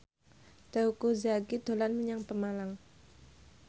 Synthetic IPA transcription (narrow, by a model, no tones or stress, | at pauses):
d̪̥aukozaɡid̪̥o̤lanməɲaŋpəmalaŋ